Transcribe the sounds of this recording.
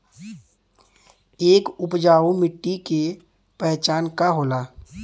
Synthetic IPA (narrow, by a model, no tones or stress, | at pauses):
eːkʊpd͡ʒaːomɪʈːike | pɛɦt͡ʃaːnkaɦoːlaː